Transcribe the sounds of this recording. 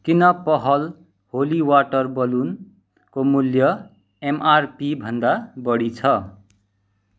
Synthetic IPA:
kinʌpʌɦʌl | holiwaʈʌrbʌlun | komuljʌ | emarpibʱʌnd̪abʌɽit͡sʰʌ

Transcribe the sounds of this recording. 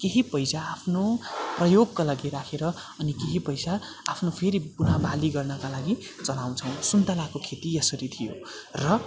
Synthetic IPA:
keɦipʌjsaapʰnoprʌjoɡkalaɡiɾakʰeɾʌ | ʌnikeɦipʌjsa | apʰnopʰeɾibunabaliɡʌrnʌkalaɡi | t͡sʌlaw̃t͡sʰʌ̃w̃sunt̪alakokʰet̪ijʌsʌɾit̪ʰijo̰rʌ

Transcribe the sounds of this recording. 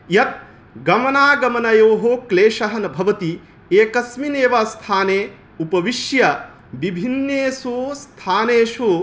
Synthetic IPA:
jɐt̪̚ | ɡɐmɐnaːɡɐmɐnɐjoːɦoːkleːʃɐɦɐnɐbʱɐʋɐt̪i | eːkɐsmineːʋast̪ʰaːneː | upɐʋiʃjɐ | ʋibʱinjeːsuːst̪ʰaːneːʂu

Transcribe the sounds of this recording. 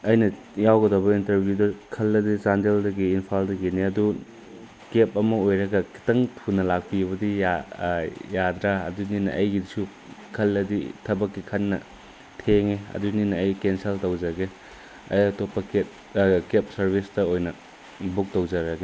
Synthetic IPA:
ɐjnɐ | jawɡɐdɐbɐintɐɾbʱjudɐkʰɐlːɐdisandeldɐɡiːnpʰaldɐɡiniɐdu | kep̚ɐmɐojɾɐɡɐkʰi̥tɐŋtʰunɐlak̚piβɐdija | jad̪ɾa̰ːduninɐ̰ʔɐjɡidisu | kʰɐlːɐdḭtʰɐbɐkːikʰɐnːɐ̰ | tʰeŋeɐ̰duninɐɐjkenseltɐwzɐɡe | ɐ̰jɐtopːɐket̚ | kep̚sɐɾbistɐojnɐ | buk̚towzɐɾɐɡe

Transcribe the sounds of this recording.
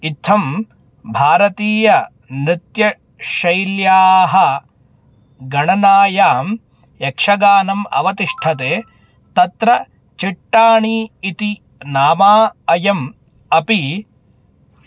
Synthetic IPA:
it̪ʰːɐm | bʱaːɾɐt̪iːjɐ | nɾit̪jɐ | ʃɐjljaːɦɐ | ɡɐɳɐnaːjaːm | ekʂɐɡaːnɐmɐ̰ʋɐt̪iʂʈʰɐt̪eː | t̪ɐt̪ɾɐ | t͡ʃiʈːaːɳiːt̪i | naːmaːɐjɐm | ɐpi

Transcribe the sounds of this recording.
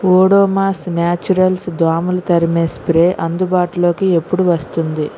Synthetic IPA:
oːɽoːmaːsnaːt͡ʃuɾɐlsd̪aːmulɐt̪ɐɾimeːspɾeːʔɐnd̪ubaːʈulo̞ːkie̞pːuɽuʋɐst̪und̪i

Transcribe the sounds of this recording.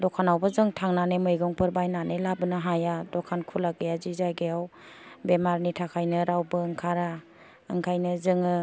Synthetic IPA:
dɔkʰanawbazɯŋtʰaŋnanemɯjɡɔŋpʰɯɾbajnanelabɯnɯɦajadɔkʰankʰulaɡejazizajɡejaw | bemaɾnitʰakʰajnɯɾawbɯːŋkʰaɾa | ɯŋkʰajnɯzɯŋɯ

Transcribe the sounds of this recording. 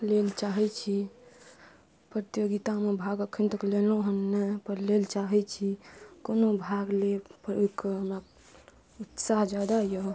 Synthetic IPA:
lelt͡ʃaɦɛt͡ʃʰi | pɾət̪joɡit̪amebʱaɡəkʰːənt̪əkleloɦənːəpəɾlelt͡ʃaɦɛt͡ʃʰikonobʱaɡlepəɾekɦəmɾa | ut̪saɦd͡ʒad̪ajo

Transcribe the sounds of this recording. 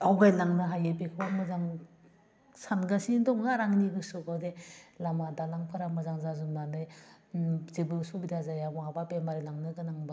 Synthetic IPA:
awɡajlaŋnɯɦajepikʰɯbamɯzaŋ | sanɡasindɔŋnaɾaŋniɡɯsukʰawdelamadalaŋpʰaɾamazaŋzazumnanɯj | zebɯsubidazajamaabapemaɾilaŋnɯɡɯnaŋba

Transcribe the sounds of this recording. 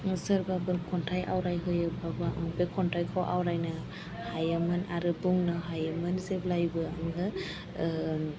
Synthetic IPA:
səɾbabɯkʰɔntʰajʔa̰wɾajɦɯjɯbabɯŋbekʰɔntʰajkʰɔwʔa̰wɾajna | hajɯmɯnaɾɯbuŋnɯɦajɯmɯnzeblajbɯaŋɡɯ

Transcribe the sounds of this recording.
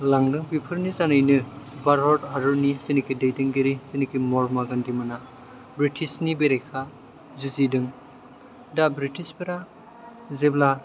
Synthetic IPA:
laŋdɯŋbipʰɯɾnizanɯjnɯbaɾɦɔdaɾɯɾnisinikʰidejdɯŋɡeɾisinikimɔɾmaɡandimana | bɾitʰisnibeɾejkʰa | zuzidɯŋ | dabɾitʰisbeɾa | zebla

